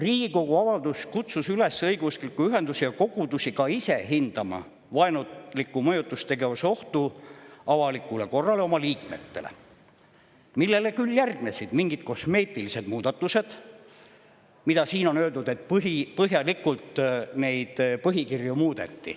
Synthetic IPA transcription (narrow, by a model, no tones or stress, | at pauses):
riːɡiko̞ɡ̥uɑvɑld̪uskut̪susyle̞sɤjɡ̥uskilkːuyɦe̞nd̪usijɑko̞ɡ̥ud̪usikɑise̞ɦind̪̥ɑmɑ̰ | vɑenulikˑːumɤjut̪ːˑust̪e̞ɡe̞vɑso̞ht̪uɑvɑlikːˑule̞ko̞rːɑle̞o̞mɑliːkmet̪ːe̞̰lḛ | milːe̞le̞kyljærɡ̥nesid̪̥miŋɡ̥id̪̥̚ko̞sme̞ːt̪ːˑilise̞d̪muːd̪ɑt̪ːˑuse̞d̪̥ | mid̪̥ɑsiːno̞nøːld̪ud̪e̞t̪pɦipɤɦjɑlikːult̪ne̞jd̪̥pɤɦikirjumuːd̪̥e̞t̪ːḭ